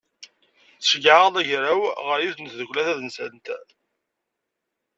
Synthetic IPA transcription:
θʃɡʕəðˤæʝɾæwʁəɾjuθənt̪ðəkʷːlæθæðənsənt̪

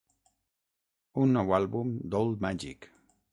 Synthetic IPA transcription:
unːɔwalβumd̪old̪̚maʒḭk

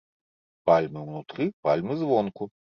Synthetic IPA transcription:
palʲmɨwnut̪ɾɨpalʲmɨzvɔnku

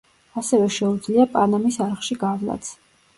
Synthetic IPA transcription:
asɛvɛʃɛud̪zliapʼanamisaɾχʃiɡavlˠa̰t̪sʰ

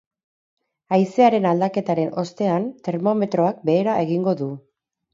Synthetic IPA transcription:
ajse̞aɾe̞nald̪ake̞t̪aɾe̞no̞st̪e̞ant̪e̞ɾmo̞me̞t̪ɾo̞ak̚be̞ːɾaʔe̞ɣiŋɡo̞ðu

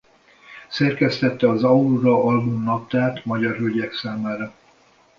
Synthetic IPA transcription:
sɛrkɛst̪ɛt̪ːɛɒzɒuɾɒɒlbumnɒp̚t̪aːt̪mɒɟɒrɦøɟɛksaːmaːɾɒ

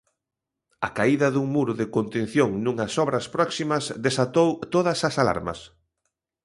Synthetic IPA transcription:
ɐkaiðɐðuŋmuɾʊðɪkont̪ẽnθjoŋnũŋɐsɔβɾɐspɾɔksimɐsðesat̪owt̪oðɐsɐsala̰ɾmɐ̰s

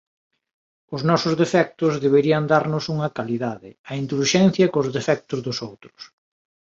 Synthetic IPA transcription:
ʊznɔsʊzðefɛk̚t̪ʊzðeβ̞eɾiɐnd̪aɾnʊsuŋɐkaliðaðɪɐind̪ulʃɛn̟θjɐkʊzðefɛk̚t̪ʊzðʊsowt̪ɾʊ̥s

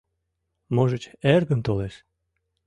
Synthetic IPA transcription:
moʒət͡ɕerɣənt̪oleʃ

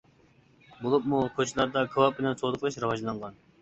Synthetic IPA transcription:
bolˠup̚mukʰot͡ʃʰilˠɑɾd̪ɑkʰɨwˠɑp̚bɪnɛnsʰod̪əqlˠɨʃɾɨwɑʒlˠɑŋʁɑn

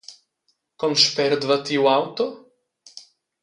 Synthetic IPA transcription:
kɔmʃpɛɾd̪vɐt̪iwawt̪ɔ

